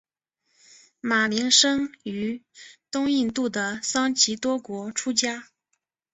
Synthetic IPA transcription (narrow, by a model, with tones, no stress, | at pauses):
ma˨˩li˧˥ŋʂɤ˥ŋy˧˥t̪ʊ˥ŋi˥˧nt̪u˥˩d̪ə˩sɑ˥ŋt͡ɕʰi˧˥t̪wɔ˥kwɔ˧˥ʈ͡ʂʰu˥t͡ɕja˥